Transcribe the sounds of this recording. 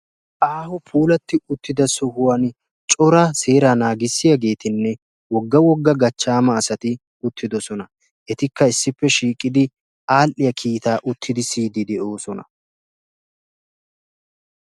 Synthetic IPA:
ʔaːhʊpʰuːlɐt̪ːɪʊt̪ːɪd̪ɐsɔhʊwan | t͡ʃʼɔɾɐse̞ːɾanaːɡɪsːɪjaɡe̞ːt̪ɪnːɛ | wɔɡːɐwɔɡːɐɡɐt͡ʃːaːmɐːsɐt̪ɪ | ʊt̪ʰːɪd̪ɔsɔnɐ | ʔɛt̪ɪkːɐɪsːɪpːɛʃiːkʼːɪd̪ɪ | ʔaːlʔɪjɐkʰiːt̪aːʔʊt̪ʰːɪd̪ɪsiːd̪ɪd̪ɛʔo̞ːsɔnɐ

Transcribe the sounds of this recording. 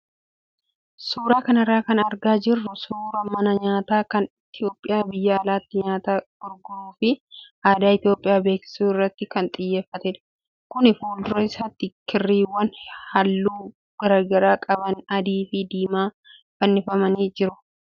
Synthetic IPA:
suːɾaːkɐnɐrːaːkɐnɐɾɡaːd͡ʒɪrːʊsuːɾɐmɐnɐɲaːt̪aːkɐnɪt̪ɪjo̞ːpʼːɪjaːbɪjːɐːlaːt̪ːɪɲaːt̪aːɡ̥ʊɾɡʊɾuːfɪʔaːd̪aːɪt̪ɪjo̞ːpʼːɪjaːbeːksɪ̥suːɪrːɐt̪ːɪkɐnt̪ʼɪjːeːfːɐt̪ɛᶑ̪ | kʊnɪfuːld̪ʊɾɐɪsat̪ːɪkɪrːiːwːɐnhɐlːuː | ɡ̥ɐɾɐɡɐɾaːkʼɐbɐnɐd̪iːfɪd̪iːmaː | fɐnːɪfɐmɐniːd͡ʒɪɾʊ

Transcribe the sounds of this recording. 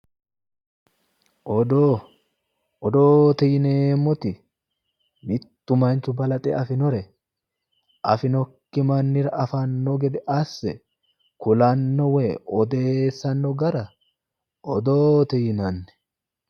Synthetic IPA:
ʔɔd̪oː | ɔd̪oːt̪ɛjɪneːmːɔt̪ɪ | mɪt̪ːʊmɐnt͡ʃʊbɐlɐt̪ʼɛ̰ɐfɪnɔɾɛ | ʔɐfɪnɔkːɪmɐnːɪɾɐʔɐfɐnːɔɡɛd̪ɛʔɐsːɛ | kʊlɐnːɔweːɔd̪e̞ːsːɐnːɔɡɐɾɐ | ɔd̪oːt̪ɛjɪnɐnːɛ̥

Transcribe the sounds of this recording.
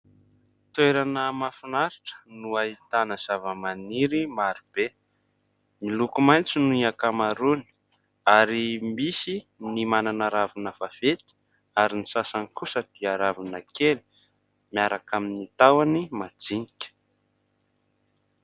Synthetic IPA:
t̪weɾanəmafinaɾiʈ͡ʂə̥nuait̪anəz̥avəmaniɾimaɾib̥e | milukumajnt͡sinuiakamaɾuni̥ | aɾimisinimananaɾavunəv̥av̥et̪i̥ | aɾinisasanikusəd̪̥iaɾavinəkeli̥ | miaɾakaminit̪awanimad͡zinikʲə̥

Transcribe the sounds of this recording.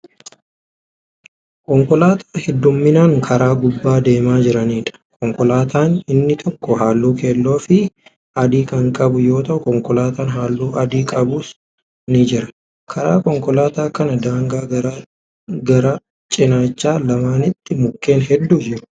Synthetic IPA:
kɔŋkɔlaːt̪ʰḁːhɛd̪ːʊmːɪnaːŋkʰɐɾaːɡʊbːaːd̪e̞ːmaːd͡ʒɪɾɐniːᶑɐ̥kʰɔŋkɔlaːt̪ʰaːnɪnːɪt̪ʰɔkːɔɦaːlːuːkeːlːo̞ːfɪ | ɐd̪iːkɐŋkʼɐbʊjo̞ːt̪ɐʔʊkɔŋkɔlaːt̪aːnɦaːlːuːʔɐd̪iːkʼɐbus | nɪd͡ʒɪɾɐ | kʰɐɾa̰ːkɔŋkɔlaːt̪aːkɐnɐd̪aːŋɡaːɐɾ | ɡɐɾɐ | t͡ʃʼɪnaːt͡ʃːaːlɐmaːnɪt̪ːɪmʊkːe̞ːnɦɛd̪ːud͡ʒɪɾʊ̥

